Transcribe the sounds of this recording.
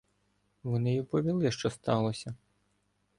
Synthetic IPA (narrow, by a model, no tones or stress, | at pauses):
ʋɔnɪjipɔʋʲilˠɪʃt͡ʃɔst̪ɑlˠɔsʲɐ